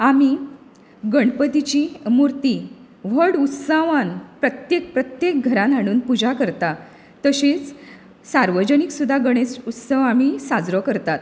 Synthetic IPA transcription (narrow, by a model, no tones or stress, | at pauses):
ami | ɡəɳɖpət̪it͡ɕimuɾt̪i | ʋ̤əɽut̪saʋanpɾət̪jek̚pɾət̪jek̚ɡʱəɾãnaɽ̃uːnpud͡ʑakəɾt̪a | t̪əɕet͡s | saɾʋəd͡ʑəniksud̪ʱːaɡəɽ̃et͡sut̪səʋamisad͡zɾɔkəɾt̪at̪